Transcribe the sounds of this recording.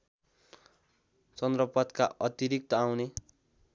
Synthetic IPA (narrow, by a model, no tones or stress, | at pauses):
t͡sʌnd̪rʌpʌt̪kaʔʌt̪iɾik̚t̪ʌawne